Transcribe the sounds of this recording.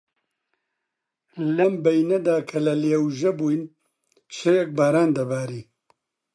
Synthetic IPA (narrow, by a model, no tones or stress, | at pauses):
lɐmbɛjnɐd̪aːkʰɐlɐleːwʒɛbuːjn | t͡ʃʰɛjɛk̚baːɾaːnd̪ɐbaːɾiː